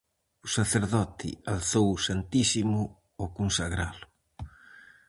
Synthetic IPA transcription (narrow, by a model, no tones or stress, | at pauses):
usaθeɾðɔt̪ɪ̰alθowsant̪isimʊ | okunsaɣɾalʊ